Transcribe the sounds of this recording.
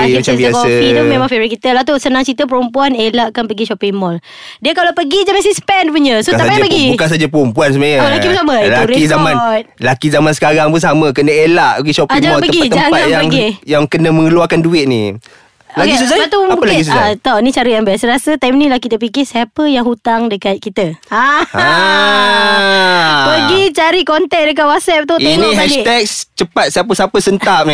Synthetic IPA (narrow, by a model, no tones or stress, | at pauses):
aabiəakofit̪ɔmẽmãŋfɛɾikit̪əlat̪osənãŋt͡ʃit̪əp̬əɾumpuanelaʔkanpəɡiʃɔpiŋmɔl | diəkalapəɡid͡ʒaməsispɛnpuɲəsot̪apajapəɡibkans̬ad͡ʒapəɾumpuans̬əmaɲəolakipunsaməiluɾikizamãnt̪̚lakizamansə̥kaɾaŋpunsaməkənəelaʔpəɡiʃɔpaɪŋd͡ʒaɔtpəəɡiat̪ːd͡ʒaŋpat̪japəŋɡijaŋkənəməŋəluakanduɪt̪̚nḭ | laisusaat̪uabpəlaisuat̪ɔʔnit͡ʃaɾəjaŋbaasəɾasət̪ajmnĩlahkit̪əp̬ikɪsapəjaŋhut̪aŋdəkat̪̚kit̪əa | pəɡit͡ʃaɾikɔnt̪ɛk̚dək̬aʔ̚wasɛp̚t̪uiniɦait̪ɛk̚st͡ʃəpat̪̚səapəsapəsənt̪ap̚ni